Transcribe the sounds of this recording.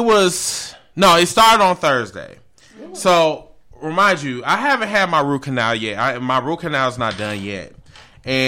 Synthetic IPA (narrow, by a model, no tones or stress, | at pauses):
t̚wʌz̥ | noʊɪtstɑɹɾɨɾdn̩θɜ˞zdḛɪ | soʊ | ɹɨmãɪ̃ndjɨaɪɦævɨ̃nt̚ɦɨd̚maɪɹʉkʰɨnælˠjɛt̚aɪmaɪɹukʰɨnælˠznət̚d̥ʌ̃njɛ̰t̚ | ɨ̃